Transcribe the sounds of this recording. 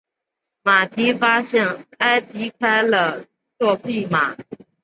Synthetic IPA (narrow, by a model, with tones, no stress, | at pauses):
ma˨˩t̪ʰi˧˥fa˥ɕjɛ˥˩na˥ɪpi˧˥kʰa˥ɪlə˨ | t͡swɔ˥˧pi˥˩ma˨˩˦